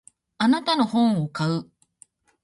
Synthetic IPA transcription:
anat̪ano̞hõ̞ɰ̃o̞kaɯ

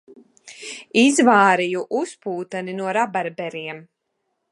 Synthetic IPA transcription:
izvaːɾijuʔuspuːt̪aninuɔɾabaɾbɛɾiɛm

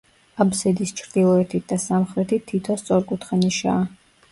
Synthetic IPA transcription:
abzɛd̪ist͡ʃʰɾd̪̥ilˠɔɛt̪ʰit̪̚ʰd̪asamχɾɛt̪ʰiːit̪ʰɔst̪sʼɔɾkʼut̪ʰχaniʃa̰ː

